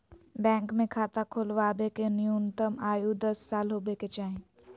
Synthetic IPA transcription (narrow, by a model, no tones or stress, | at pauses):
bɛ̃ːŋkmẽkʰaːt̪akʰoːlʋaːbekenjuːnt̪əmaːjud̪əsːaːlɦoːbeket͡ʃaːɦẽː